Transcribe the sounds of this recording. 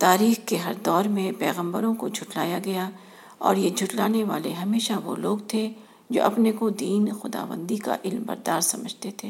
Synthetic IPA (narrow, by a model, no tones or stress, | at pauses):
t̪aːɾiːxkeɦɐɾd̪ɔːɾmẽpɛːɣə̃mbəɾõkod͡ʒʱʊʈlaːjaɡɐja | ɔ̰ːɾjed͡ʒʱʊʈlaːneʋa̰ːleɦɐmeːʃaʋo̰loːɡt̪ʰe | d͡ʒo̰ːʔɐpnekod̪iːnxʊd̪a̰ːʋə̰̃nd̪ika̰ʔɪlmbɐ̰ɾd̪aːɾsɐməd͡ʒʱt̪et̪ʰeː